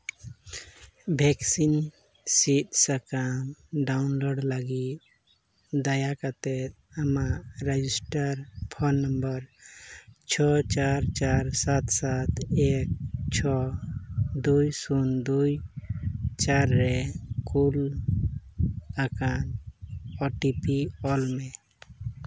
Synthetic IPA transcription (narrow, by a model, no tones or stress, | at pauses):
bʱɛksin | sit̪̚sakamɖawnlɔɖlaɡit̪̚ | d̪ajakat̪ɛt̪̚amaʔɾed͡ʒisʈaɾpʰɔnːəmbəɾ | t͡ʃʰɔt͡ʃaɾt͡ʃaɾsat̪sat̪ɛk̚t͡ʃʰɔ | d̪ujsund̪uj | t͡ʃaɾːɛkul | akan | ɔʈipiɔlmɛ